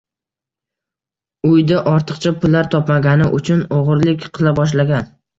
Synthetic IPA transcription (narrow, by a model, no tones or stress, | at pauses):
ʊjd̪aʔɒɾt̪ʰɨqt͡ʃʰapʊlːaɾt̪ʰɒpmaɡʲanɪʔʊt͡ʃʰʊnoʁɨɾlɪkʲqʰɨlˠabɒʃ̬laɡʲan